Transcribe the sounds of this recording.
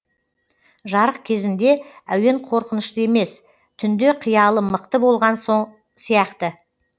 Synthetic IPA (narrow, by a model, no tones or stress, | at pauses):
ʒɑɾəq̚kʲʰe̞zɪnd̪e̞æwe̞ɴqʰo̞ɾqənəʃt̪əe̞me̞s | t̪ʰʏnd̪e̞qʰəjɑlˠəməqt̪əbo̞lˠʁɑnso | sijɑqt̪ə